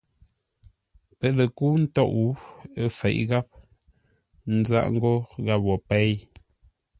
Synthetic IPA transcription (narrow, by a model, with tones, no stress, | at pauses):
pə˨le˨ku˦n̩˦tɔ˦˨ʔu˦ə˦fɛ̰˨ʔɣa˦p̚ | n̩˦za̰˦ʔŋ̩˦ɡo˦ɣa˦p̚wɔ˨pɛ˦j